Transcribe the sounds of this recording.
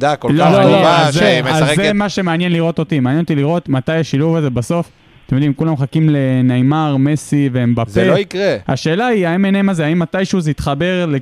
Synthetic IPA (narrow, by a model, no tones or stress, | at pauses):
d̪akolololozzeemazemaʃemeanjenliʁo̞t̪o̞t̪imeanjenot̪iliʁo̞t̪mat̪ajaʃiluvaze̞baso̞f | t̪emjod̪imkulamχakimlenajmaʁme̞siveembapzeloikʁehaʃe̞ːlaiaimeneemazeaimat̪ajʃuzeit̪χabe̞ʁle